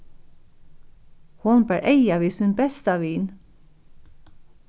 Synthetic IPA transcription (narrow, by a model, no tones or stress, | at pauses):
hʊnbæɹʔeɪɑʋiːsʉnbɛst̪ɑʋiːn